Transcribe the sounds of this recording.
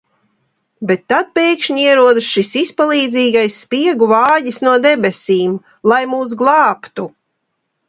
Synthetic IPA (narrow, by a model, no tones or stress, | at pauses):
bet̪ːat̪̚pʲeːjkʃɲiɛɾuɔd̪ɨsʃisispalˠiːd̪ziːɡajsːpiɛɡuvaːjisnuɔd̪ɛbɛsiːm | lˠajmuːs̬ɡlˠɑːpt̪u